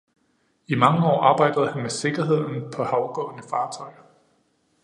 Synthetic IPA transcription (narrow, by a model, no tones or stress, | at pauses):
imɑ̈ŋəɒ̰ːʔɑ̈ːb̥ɑ̈ɪ̰d̥ɐð̞̩ˠhænmese̝ɡ̥ɐɦe̝ð̞̰ˠn̩pʰɒ̽hɑ̈ʊɡ̥ɔ̰̽ːnəfɑ̈ːt͡sʰɒ̽ɪɐ